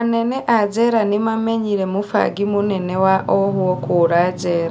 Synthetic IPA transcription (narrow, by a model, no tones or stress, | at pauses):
neneʔad͡ʒeɾanimameɲiɾemufa̰ɡimunenewaʔoɦuokuɾad͡ʒeɾ